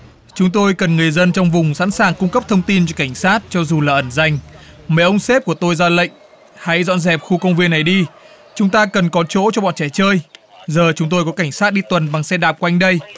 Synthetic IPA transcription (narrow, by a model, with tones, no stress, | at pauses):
t͡ɕʊ˨˦ŋ͡mt̪o˧jkə˨˩nŋɨ˨˩əjzə˧nt͡ɕɔ˧wŋ͡mvʊ˨˩ŋ͡msa̰˧˥nsaː˨˩ŋkʊ˧ŋ͡mkə˦˥p̚t̪ʰə˧wŋ͡mt̪i˧nt͡ɕɔ˧ka˧˩jŋ̟saː˦˥t̚t͡ɕɔ˧zu˨˩laː˨˩ʔə˧˩nza˧˩jŋ̟mɛ̰˧˨˩ʔə˧wŋ͡mse˦˥p̚ku˧˩ət̪o˧jzaː˧lə̰˧˨jŋ̟ | ha˧˥jzɔ̰˧˨nzɛ˨˩p̚xu˧kə˧wŋ͡mvi˧ənːa˨˩jɗi˧ | t͡ɕʊ˨˦ŋ͡mt̪aː˧kə˨˩nkɔ˨˦t͡ɕo̰˧˥t͡ɕɔ˧ɓɔ̰˧˨nt͡ɕɛ˧˩t͡ɕəː˧j | zəː˨˩t͡ɕʊ˨˦ŋ͡mt̪o˧jkɔ˨˦ka˧˩jŋ̟saː˦˥t̚ɗi˧t̪wə˨˩nɓa˨˩ŋsɛ˧ɗaː˨˩p̚ka˧jŋ̟ɗə˧j